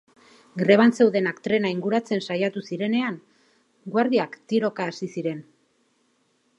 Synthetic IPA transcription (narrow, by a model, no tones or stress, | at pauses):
ɡɾe̞β̞anse̞wðe̞nakt̪ɾe̞naiŋɡuɾat͡se̞nsajat̪usiɾe̞ne̞aŋ | ɡwaɾðiakt̪iɾo̞kaːsisiɾe̞n